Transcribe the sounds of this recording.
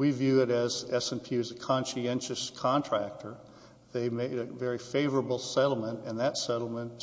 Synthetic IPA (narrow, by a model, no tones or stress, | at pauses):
wivjʉɪɾɨzɛsɛ̃npʰjʉɨzɨkʰɑ̃nʃiɛ̃nʃɨskʰɑ̃ntʰɹ̥æk̚tʰə˞ | ðeɪmeɪɾɨvɛɹifeɪvə˞əbl̩ˠsɛɾl̩ˠmə̃ntɨ̃nðɨtsɛɾl̩ˠmə̃n